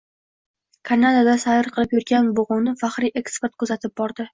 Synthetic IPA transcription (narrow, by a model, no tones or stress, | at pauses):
kʰaɾnad̪ad̪asaɪɾqʰɨlˠɪpjʊɾɡʲanboʁʊwnɪfaχɾiʔe̞kspeɾt̪̚kʰɵzat̪ʰɪp̚bɒɾd̪ɪ